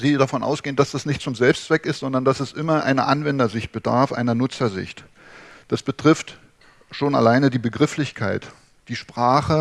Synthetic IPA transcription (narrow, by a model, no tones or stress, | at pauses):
ziːdafɔnʔa̰ʊsɡ̥eːəndasd̥asnɪçtt͡sʊmzɛlpstt͡sv̥ɛkɪstz̥ɔndɐndasɛsʔɪmɐʔa̰ɪnəʔanvɛndɐzɪçt̚b̥əda̰ɐfʔa̰ɪnɐnʊt͡sɐzɪ̰çt | d̥asb̥ətʁ̥ɪft | ʃoːna̰laɪnədiːbəɡʁɪflɪçkʰaɪt | d̥iːʃpʁ̥aːχə